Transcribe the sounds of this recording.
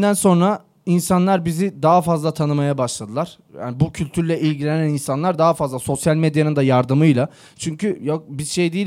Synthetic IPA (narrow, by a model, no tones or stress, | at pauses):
d̪ænso̞nɾa | insanlˠaɾbizid̪aɦafazlˠat̪ʰanɯmajabaʃlˠad̪ɯlˠaɾ̥ | ja̰ːnbucʰylʲt̪ʰyɾlʲɛʔilʲɟilʲenæninsanlˠaɾd̪aɦafazlˠaso̞sjalʲmed̪janɯnd̪ajaɾd̪ɯmɯjlˠa | t͡ʃʰyɲcyjokbizʃe̞jd̪iː